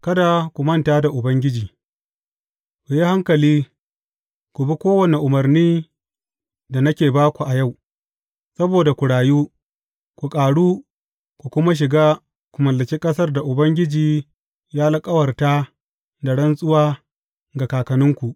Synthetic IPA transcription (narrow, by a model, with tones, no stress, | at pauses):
kɐ˦da˨kʷu˨mɐ˦˨ntaː˦da˨ʔʊ˨bɐ˦ŋɡʲɪ˦d͡ʒiː˨ | kʷu˨ji˦ha˦ŋkɐ˨liː˦ | kʷu˨bi˦kʷoː˦wɐ˨ne˨ʔʊ˨mɐ˨rniː˦ | da˨nɐ˦kʲeː˨baː˦kʷu˨ʔa˨ja˦˨w | sɐ˦boː˨da˨kʷu˨ɽaː˨juː˦ | kʷu˨kʼaː˨ɽuː˦ | kʷu˨kʷʊ˦ma˦ʃ̬ɪ˨ɡaː˦ | kʷu˨mɐ˨lːɐ˨t͡ʃe˦kʼɐ˦sɐ˦rda˨ʔʊ˨bɐ˦ŋɡʲɪ˦d͡ʒiː˨ | jaː˦lɪ˦kʼɐ˦wɐ˨rtaː˦ | da˨ɽɐ˦nsʼʊ˦waː˦ | ɡa˨kaː˨kɐ˨nɪ˦ŋkʷu˨ʔ